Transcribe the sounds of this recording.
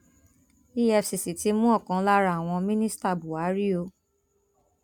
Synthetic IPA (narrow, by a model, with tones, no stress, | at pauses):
i˦ɛ˧˨fsi˨si˨ti˨˦mũ˦ɔ˦˨kã˨˦la˦ɾa˦a˨w̃ɔ̃˧mĩ˦nĩ˦sta˦˨bu˨a˨˦ɾi˦o˧